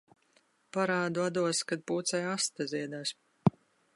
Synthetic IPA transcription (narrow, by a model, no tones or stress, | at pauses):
paɾaːd̪uad̪uɔskad̪̚puːt̪sɛjast̪azʲiɛd̪aːs